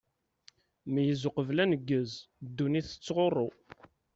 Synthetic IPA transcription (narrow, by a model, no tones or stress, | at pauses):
mijəzʊqəvlænəɡːəzd̪ːuniθə̥t͡sːʁorˤːo